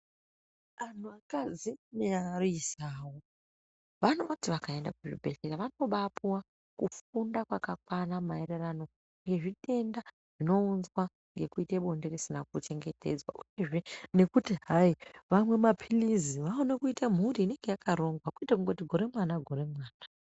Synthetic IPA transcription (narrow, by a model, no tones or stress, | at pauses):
an̤uakazinearoisawo | ʋano̞tiʋakae̞nda̰kuʐḭbʱe̞ɬeraʋano̞ɓapuwa | kufundakwakakwanamaererano̞ | ŋɡe̞ʐite̞nda | ʐ̥ino̞unzwa | ŋɡe̞kuiteɓo̞nderisinak̚ut͡ʃe̞ŋɡe̞te̞̰d͡zwa̰ʔuje̞ʐe̞ne̞kutiɦaiʋamwe̞mapʰiliziʋaonekuitam̤uriːne̞ŋɡe̞jakaɾo̞ŋɡwakuitakuŋɡotiɡʱoɾe̞mwanaɡʱo̞ɾe̞mwaːna